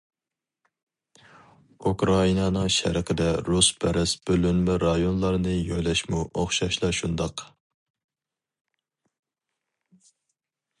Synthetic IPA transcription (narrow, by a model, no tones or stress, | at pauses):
ukɾɑinɑnɨŋʃæ̰ɾəqʰəd̪ɛɾuspʰɛɾɛsbølynmɛɾɑjonlˠɑɾnɨjojlɛʃmuʔoχʃɑʃlˠɑʃund̪ɑq